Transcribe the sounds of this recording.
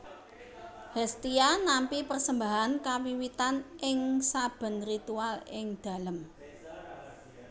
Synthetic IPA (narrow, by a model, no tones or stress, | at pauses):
hɛst̪ianampipərsəmbaɦankawiwit̪anʔɪŋsab̥ə̤nrit̪ualɪŋd̪̥ä̤ləm